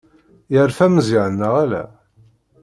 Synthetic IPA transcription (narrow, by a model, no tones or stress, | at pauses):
jəɾfæməziʕənːəʁælæ̰